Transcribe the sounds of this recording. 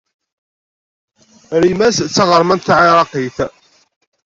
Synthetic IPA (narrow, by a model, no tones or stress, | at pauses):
ɾimæst͡sːɑʁəɾˤmænt̪ːʕiɾˤɑqiθ